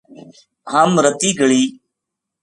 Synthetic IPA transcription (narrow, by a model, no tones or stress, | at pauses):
ɦaːmɾət̪iːɡəɭiː